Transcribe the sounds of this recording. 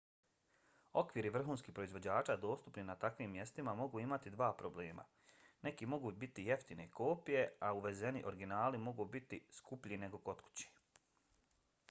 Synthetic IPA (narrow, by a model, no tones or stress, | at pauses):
o̞kʋiɾiʋr̩xuːnskiːpɾo̞izʋo̞d͡ʑaːt͡ʃaːd̪o̞ːst̪upninat̪akʋiːmːje̞st̪imamo̞ɡuːimat̪id̪ʋaːpɾo̞ble̞ːma̰ | ne̞kimo̞ɡuːbit̪ijeft̪ine̞ikʰo̞ːpije̞auʋe̞ze̞niʔo̞ɾɡinaːlimo̞ɡubit̪iskupʎine̞ɡo̞ko̞t̪ku̥t͡ɕi̥